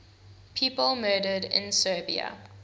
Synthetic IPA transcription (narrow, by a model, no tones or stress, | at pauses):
pʰiːpəlˠmɜːɾədɪ̰̃nsɜːbiə̰